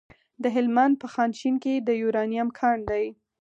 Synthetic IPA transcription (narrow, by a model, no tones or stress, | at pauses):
d̪əɦɪlmand̪̚pəxɑnʃinked̪əjuɾɑnijamkʰɑɳd̪aj